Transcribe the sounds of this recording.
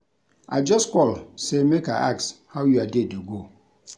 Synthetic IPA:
a̰d͡ʒɔskɔlsemeka̰ʔa̰kshawjuadeduɡo

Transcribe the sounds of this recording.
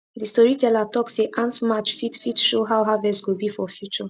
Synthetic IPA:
d̪ist̪ɔɹit̪ɛlat̪ɔksiʔãnsmat͡ʃfit̪fitʃuɦawɦavɛsɡubifɔfjut͡ʃu

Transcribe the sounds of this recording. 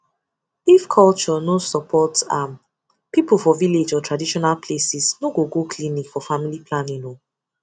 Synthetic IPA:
ifkʰɔlt͡ʃɔnosɔpʰɔta | pipulfɔviled͡ʒɔtɹadiʃɔnalpʰlesisnoɡoɡokʰlinikfɔfamilipʰlãnĩnõ

